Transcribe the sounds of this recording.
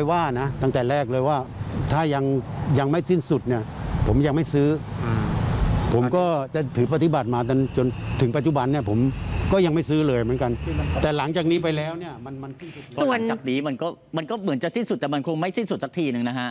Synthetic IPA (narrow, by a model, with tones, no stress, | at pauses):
a˧jwaː˥˩na˦˥t̪aː˥˧˩ŋt̪ɛː˨˩ɾɛː˥˩k̚lɤː˧jwaː˥˩t̪ʰaː˥˩ja˧ŋja˧ŋma˥˩jsi˥˩nsu˨˩t̪̚ni˥˩ɐ | pʰo˩˦mja˧ŋma˥˩jsɯː˦˥ | pʰo˩˦mkɔː˥˩t͡ɕa˨˩t̪ʰɯː˩˦p̬a˧t̪ʰːi˧˩ba˨˩t̪̚maː˧t̪̬o˧nt͡ɕo˧nt̪ʰɯ˨˩˦ŋpa˨t̪̚t͡ɕu˨˩ba˧nːi˥˩ɐpʰo˩˦mkɔː˥˩ja˧ŋma˥˩jsɯː˦˥lɤː˧jmɯ˩˦ə˦nka˧nt̪ɛː˨˩la˩˦ŋt͡ɕaː˨˩k̚niː˦˥pa˧jlɛː˦˥wni˥˩ɐma˧nma˧nsi˥˩nsu˨su˧˨˩ənt͡ɕa˨˩k̚niː˦˥ma˧nkɔː˥˩ | ma˧nkɔː˥˩mɯ˩˦nt͡ɕa˨˩ʔsi˥˩nsu˨˩t̪̚ːɛː˨˩ma˧nkʰo˧ŋma˥˩jsi˥˩nsu˨˩t̪̚sa˦k̚t̪ʰiː˧˩nɯ˨˧ŋna˦˥kʰa˦˥ʔ